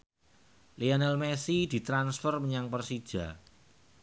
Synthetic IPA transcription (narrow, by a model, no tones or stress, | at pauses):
lianɛlmesid̪̥i̤t̪ɾansfərməɲaŋpərsid̥ʒ̥a̤